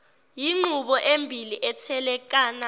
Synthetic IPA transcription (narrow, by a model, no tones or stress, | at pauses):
jiŋ͡ǃuɓɔʔembʱiliʔɛtʰɛlɛk̬aːna